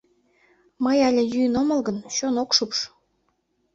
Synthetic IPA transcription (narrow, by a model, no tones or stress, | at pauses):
məjɑlʲĕjynomɤ̆lɣənɕonokʃupʃ